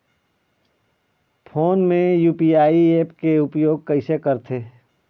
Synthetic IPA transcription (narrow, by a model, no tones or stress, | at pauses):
pʰoːnmẽjuːpiaːieːpkeʊpjoːɡ̚kɐɪsekɐɾt̪ʰeː